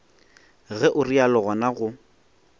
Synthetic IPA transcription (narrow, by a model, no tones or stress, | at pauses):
ɣɛʔʊrialɔɣɔnaɣʊ